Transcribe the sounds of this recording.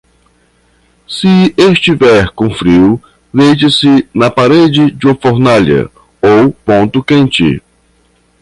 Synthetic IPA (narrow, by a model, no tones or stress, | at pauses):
sɪest͡ʃivɛɾkõfɾiw | d̪ejt͡ʃɪsɪnɐpaɾed͡ʒɪd͡ʒɪũmɐfoɾnaʎɐ̰ | owpõnt̪ʊkẽnt͡ʃɪ̰